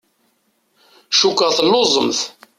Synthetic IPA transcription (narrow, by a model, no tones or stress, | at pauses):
ʃukːəʁθəlːozˤə̰mθ